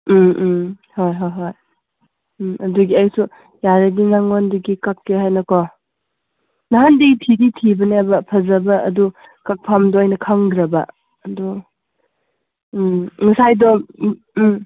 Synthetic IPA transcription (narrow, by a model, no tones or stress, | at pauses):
m | hojɦojɦoj | ɐduɡiajsu | jaɾɐɡinaŋondiɡikakːeɦajnɐkɔ | naɦandiɡitʰiɡitʰibɐnebɐpʰɐzɐbɐʔːdu | kak̚pʰamdɔjnɐkʰaŋdɾɐbɐ̰ | ɐdu | ŋɐsajdɔ